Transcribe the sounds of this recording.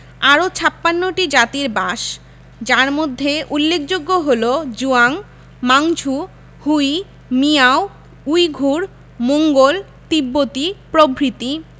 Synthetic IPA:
aɾot͡ɕʰapːanːoʈid͡ʑat̪iɾbaʃ | d͡ʑaɾmod̪ʱːeʔulːekʰd͡ʑoɡːoɦolod͡ʑuaŋ | maŋt͡ɕʰu | huj | miao | ujɡʱuɾ | moŋɡol | t̪ibːot̪ipɾobʱɾit̪i

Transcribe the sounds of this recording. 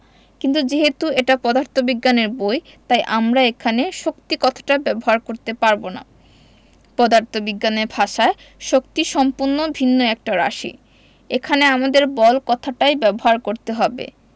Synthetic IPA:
kint̪ud͡ʑeɦet̪ueʈapɔd̪aɾt̪ʰobiɡːaneɾboj | t̪ajʔamɾaekʰaneʃok̚t̪ikɔt̪ʰḁʈabɛboɦaɾkoɾt̪epaɾbona̰ | pɔd̪aɾt̪obiɡːaneɾbʱaʃae | ʃokt̪iʃɔmpuɾnobʱinːoɛk̚ʈaɾa̰ʃḭ | ekʰaneamad̪eɾbɔlkɔt̪ʰaʈajbɛboɦaɾkoɾt̪eɦɔbḛ

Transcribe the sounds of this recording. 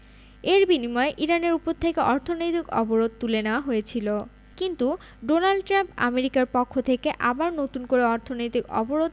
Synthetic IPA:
eɾbinimɔeʔiɾaneɾupoɾt̪ʰekeʔɔɾt̪ʰonojt̪ikɔ̰boɾod̪̚t̪uleneoaɦojet͡ɕʰilo | kint̪u | ɖonalɖʈɾampa̰meɾikaɾpɔkʰːot̪ʰekeʔa̰baɾnot̪unkoɾeɔɾt̪ʰonojt̪ikɔ̰boɾod̪̚

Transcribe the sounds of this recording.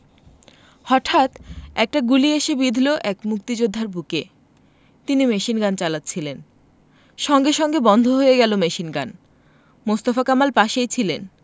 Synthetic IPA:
hɔʈʰat̪ɛk̚ʈaɡulieʃebid̪ʱloʔɛkmuk̚t̪id͡ʑod̪ʱːaɾbuke | t̪inimeʃinɡant͡ɕalat̪ːt͡ɕʰilen | ʃɔŋɡeʃɔŋɡebɔnd̪ʱoɦojeɡɛlomeʃinɡan | most̪afakamalpaʃejt͡ɕʰilen

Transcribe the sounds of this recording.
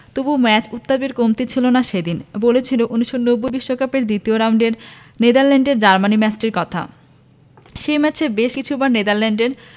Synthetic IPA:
t̪ubumɛt͡ɕut̪ːabiɾkomt̪et͡ɕʰilonaʃejd̪inbolet͡ɕʰiloʔunuʃːonobːojbiʃːokapeɾd̪it̪ioɾaɳɖeɾ | ned̪aɾlɛɳɖeɾd͡ʑaɾmanimɛt͡ɕʈeɾkɔt̪ʰa̰ | ʃejmɛt͡ɕʰebeʃkit͡ɕʰubaɾned̪aɾlɛɳɖeɾ

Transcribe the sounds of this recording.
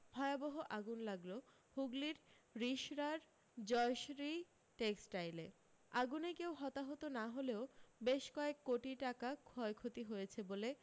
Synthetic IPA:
bʱɔeaboɦoʔaɡunlaɡlo | huɡliɾɾiʃɾaɾ | d͡ʑɔeʃɾi | ʈeksʈajle | aɡunekeowɦɔt̪aɦot̪onaɦoleobeʃkɔekːoʈiʈakakʰɔekʰot̪iɦojet͡ɕʰebole

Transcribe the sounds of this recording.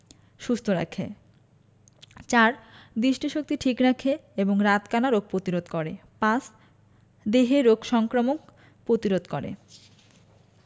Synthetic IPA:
ʃust̪ʰoɾa̰kʰḛ | t͡ɕaɾd̪ɾiʃʈʰiʃok̚t̪iʈʰikɾakʰeeboŋɾat̪kanaɾoɡ̚pɾot̪iɾod̪koɾepas | d̪eɦeɾoɡʃɔŋkɾomok | pɾot̪iɾod̪koɾḛ

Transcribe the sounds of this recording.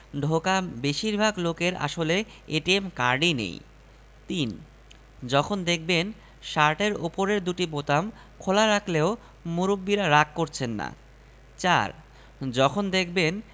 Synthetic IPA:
ɖʱokabeʃiɾbʱaɡlokeɾa̰ʃoleeʈiemkaɾɖinḛj | t̪in | d͡ʑɔkʰond̪ek̚ʰben | ʃaɾʈeɾupoɾeɾd̪uʈibot̪am | kʰolaɾakʰleo | muɾubːiɾaɾakːoɾt͡ɕʰenːa̰ | t͡ɕa̰ɾ | d͡ʑɔkʰond̪ekʰben

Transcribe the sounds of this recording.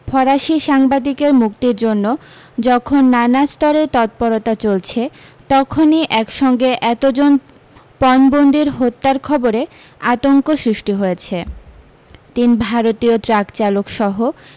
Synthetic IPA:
fʰɔɾaʃiʃaŋbad̪ikeɾmukt̪iɾd͡ʑonːo | d͡ʑɔkʰonːanast̪ɔɾet̪ɔt̪̚pɔɾot̪at͡ɕolt͡ɕʰe | t̪ɔkʰoniʔɛkʃɔŋɡeʔɛt̪od͡ʑon | pɔnbond̪iɾɦot̪ːaɾkʰɔboɾe | at̪oŋkoʃɾiʃʈiɦojet͡ɕʰe | t̪inbʱaɾot̪iot̪ɾakt͡ɕalokʃɔɦo

